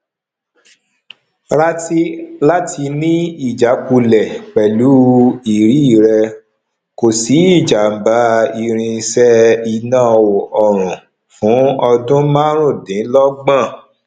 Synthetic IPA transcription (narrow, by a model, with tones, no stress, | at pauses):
ɾa˦ti˦la˦ti˧nĩ˦i˦˨d͡ʒa˨˦ku˧lɛ˨k͡pɛ˨lu˨˦i˨ɾi˨˦i˦˨ɾɛ˧ | ko˨si˨˦i˦˨d͡ʒa˨m̩˨ba˨˦i˧ɾ̃ĩ˧sɛ˦i˧nãː˦˨o˨ɔ˨ɾ̃ũ˨ | fũ˨˦ɔ˧dũ˦mã˦ɾ̃ũ˦˨dĩ˨˦lɔ˦ɡ͡bã˦˨